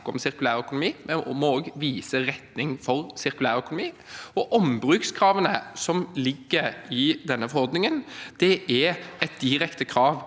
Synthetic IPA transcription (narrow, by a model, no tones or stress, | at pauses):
kːɔ̰msɪɾkʉlæːɾœkʊnʊmiːmɛmɔoːɡʋiːsəɾɛt̪nɪŋfɔɾsɪɾkʉlæːɾœkʊnʊmiːɔʔɔmbɾʉːkskʰɾɑːʋənəsɔmlɪɡːəɾɪd̪ɛnːəfɔɾhɔɾd̪nɪŋənd̪̥ɛʔɛɛt̪̚d̪ɪɾɛkt̪əkʰɾɑːʋ